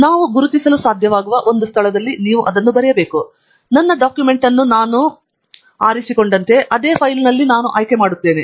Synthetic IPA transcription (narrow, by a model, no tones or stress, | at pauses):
naːʋuɡuɾut̪isɐlusaːd̪ʱjɐʋaːɡuʋɐʔo̞nd̪ust̪ʰɐlɐd̪ɐlːiniːʋuʔɐd̪ɐnːubɐɾɛjɐbe̞ːku | nɐnːɐɖaːkjume̞ɳʈɐnːunaːnu | aːɾisiko̞ɳɖɐnt̪e̞ʔɐd̪e̞ːpʰɐjlnɐlːinaːnuʔaːjkemaːɽut̪ːe̞ːne